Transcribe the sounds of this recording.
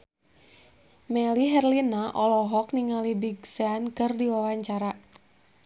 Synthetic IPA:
mɛliɦɛrlinaʔɔlɔɦɔkniŋalibiɡsɛankɨrdiwawaɲt͡ʃaɾa

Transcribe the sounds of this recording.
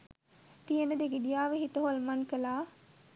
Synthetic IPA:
t̪ijənəd̪eɡiɖijaːʋeɦit̪əɦolmankəlaː

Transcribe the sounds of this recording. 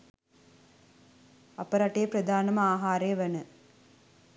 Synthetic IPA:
ɐpɐɾɐʈejːpɾɐd̪ʱaːnɐmɐaːɦaːɾeːʋɐnə

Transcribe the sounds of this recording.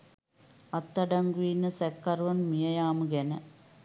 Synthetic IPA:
ɐt̪ːɐɖɐŋɡuiːnɨsekːɐrʋɐnmijɐjaːmuɡenɐ

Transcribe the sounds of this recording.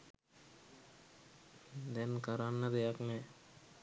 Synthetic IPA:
d̪ɛnkəɾanːəd̪ejaknɛ

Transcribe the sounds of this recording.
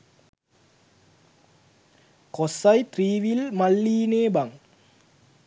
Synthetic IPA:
kosɐjt̪riːʋilmɐɭːiːneːbɐŋ

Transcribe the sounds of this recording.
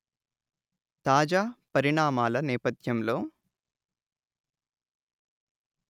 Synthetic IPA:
t̪aːd͡ʒaːpɐɾiɳaːmaːlɐnɛːpɐt̪ʰjɐmlo̞ː

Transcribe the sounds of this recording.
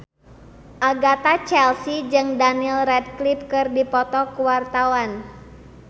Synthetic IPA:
ʔaɡat̪at͡ʃɛlsid͡ʒɨŋdanilrɛdklip̚kɨrdipɔt̪ɔkuwart̪awan

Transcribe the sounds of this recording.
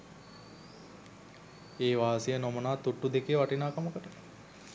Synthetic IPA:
eːʋaːsijənomənaːt̪uʈːud̪ekeʋaʈinaːkaməkəʈə

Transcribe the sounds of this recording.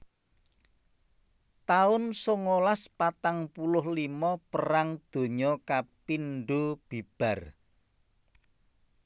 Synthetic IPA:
t̪aʊnsoŋolaspat̪aŋpulʊɦlimɔpəɾaŋd̪̥o̤ɲɔkapinɖob̥i̤b̥ä̤r

